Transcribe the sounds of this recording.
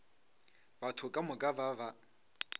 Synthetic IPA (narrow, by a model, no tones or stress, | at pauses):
batʰʊkʼamʊkʼabava